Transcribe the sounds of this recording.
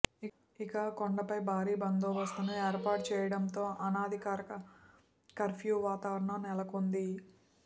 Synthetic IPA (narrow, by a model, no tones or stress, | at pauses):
i | ikɐkoɳɖɐpɐjbʱaːɾiːbɐnd̪oːʋɐst̪unɐeːɾpaːʈ̚t͡ʃɛːjɐɽɐnt̪o̞ːʔɐnaːd̪ʱikaːɾikɐ | kɐɾpʰjuːʋaːt̪aːʋɐɾɐɳɐmnɛlɐkond̪i